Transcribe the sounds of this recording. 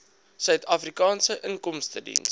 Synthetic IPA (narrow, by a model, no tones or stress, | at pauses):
sœɥtʰɐfrikɑːnsəʔəŋkɔmstədḭns